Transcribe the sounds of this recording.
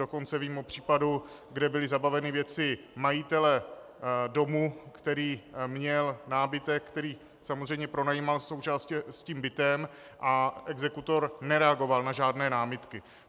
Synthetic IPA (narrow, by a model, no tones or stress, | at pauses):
oko̞nt͡sɛviːmopr̝̥iːpadu | ɡdɛbɪlɪzabavɛnɪvjɛt͡sɪ | majɪt̪ɛlɛ | do̞mukt̪ɛɾiːmɲɛlnaːbɪt̪ɛkkt̪ɛɾiː | samozrɛjmɲɛpɾo̞najimalso̞wt͡ʃaːscsciːmbɪt̪ɛm | ʔaʔɛɡzɛkut̪o̞ɾnɛɾɛaɡo̞valnaʒaːdnɛːnaːmɪt̪kɪ